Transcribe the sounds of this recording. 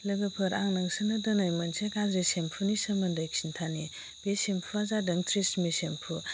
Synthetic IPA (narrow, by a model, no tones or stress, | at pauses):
lɐɡɐpʰɯɾaŋnɐŋsɯnɐdɐnajmɐnsʰekazesempʰunisɐmɐndɐjksintʰani | b̥esempʰuazadɐŋtʰɾismisempʰu